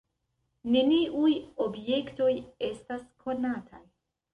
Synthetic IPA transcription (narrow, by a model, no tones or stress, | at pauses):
ne̞niʔujo̞bje̞kto̞je̞staskʰo̞natʰaj